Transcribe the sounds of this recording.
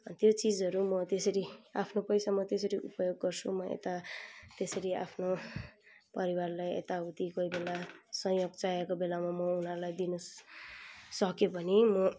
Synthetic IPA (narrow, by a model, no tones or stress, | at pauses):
t̪jot͡sid͡zʌɾumʌt̪esʌɾiapʰnopʌjsamʌt̪esʌɾiʔupʌjoɡːʌrt͡sʰumʌḛt̪at̪esʌɾia̰pʰno | pʌɾiwarlajḛt̪aut̪ikojbelasʌ̃joɡt͡saekobelamamʌunɦʌɾulajd̪inʌ | sʌkjobʌnimʌ